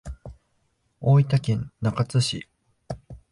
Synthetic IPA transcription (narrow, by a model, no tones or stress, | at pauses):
oːit̪akẽ̞nnakat͡sɨɕḭ